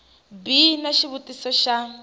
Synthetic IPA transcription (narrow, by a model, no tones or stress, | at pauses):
binaʃiβutisɔʃa